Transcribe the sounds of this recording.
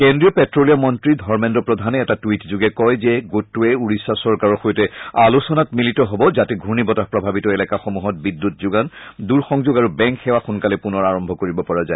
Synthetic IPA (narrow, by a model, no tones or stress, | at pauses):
kendɹiɔpɛtɹolijamɔntɹidʱɔɹmɛndɔpɹɔdʱanɛːtatwitzuɡɛkɔjzɛɡotːuɛuɹisasɔɹkaɹɔxojtɛalusɔnatmilitɔɦobɔzatɛɡʱunibɔtapɹɔbʱabitɔelɛkaxomuɦɔt̚bidːutzuɡanduɹxɔŋzoɡaɹubɛŋkxɛwaxunkalɛpunɔɹaɹɔmbʱɔkoɹibɔpɔɹazaɛ